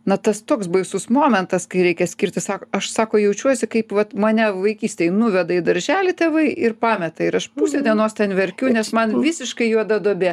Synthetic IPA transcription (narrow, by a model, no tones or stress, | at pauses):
nɐt̪ɐst̪oːksbɐɪsʊsmoːmʲɛnt̪ɐskɐɪɾʲɛɪkʲɛsʲkʲɪrʲt̪ʲɪsɑːkoːɐʃsɑːkoːjɛʊt͡ʃʲuɔsʲɪkɐɪpʋɐt̪mɐnʲɛʋɐɪkʲiːsʲt̪ʲejnʊʋʲɛd̪ɐɪd̪ɐɾʲʒʲæːlʲɪt̪ʲeːʋɐɪʔɪrpɑːmʲɛt̪ɐɪɾɐʃpuːsʲoːd̪ʲeɛnoːst̪ʲɛnʋʲɛɾʲkʲʊnʲɛsmɐnʋʲɪsʲɪʃkɐɪjuɔd̪ɐd̪oːbʲeː